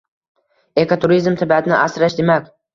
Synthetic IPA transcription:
ekot̪ʰuɾizmt̪ʰɪbat̪ʰɪnɪʔasɾaʃd̪emakʲ

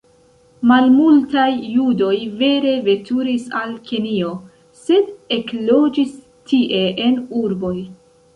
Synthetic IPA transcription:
malmultajːudo̞jve̞ɾe̞ve̞tuɾisalkenio̞ | se̞de̞klo̞d͡ʒis | tʰiʔe̞ʔe̞nuɾbo̞j

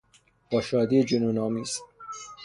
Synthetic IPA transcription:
b̥ɒːʃɒːd̪iːed͡ʒonunɒːmiːz̥

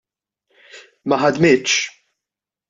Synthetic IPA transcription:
mɐħɐd̪mɪːt̪ːʃ

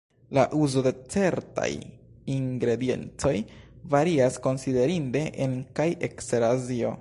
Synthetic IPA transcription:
laʔuzo̞de̞t͡se̞ɾta̰j | iŋɡɾe̞die̞̰nt͡so̞jvaɾiasko̞nside̞ɾinde̞ʔenkajʔe̞kseɾazio̞̰

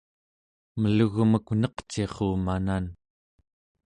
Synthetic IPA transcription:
məluɣməknʌqt͡ʃeχuːmanan

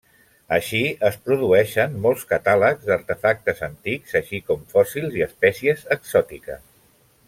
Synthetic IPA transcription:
əʃiəspɾuðuɛʃənmɔlˠskət̪aləkzd̪əɾt̪əfak̚t̪əzənt̪ikzəʃikɔmfɔsilˠziəspɛsiəzəksɔt̪ikə̰s

